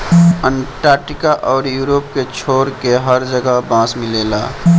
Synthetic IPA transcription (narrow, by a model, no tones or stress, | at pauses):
ənʈaːɾʈikaʔɔːɾjuːɾop̚ket͡ʃʰoːɾkeɦəɾd͡ʒəɡəbãːsmɪleːla